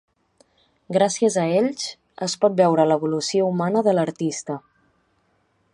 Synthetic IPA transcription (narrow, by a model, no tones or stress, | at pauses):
ɡɾasiəzəeʎs | əspɔt̪̚bɛwɾələβ̞ulusioumanəðələɾt̪ist̪ə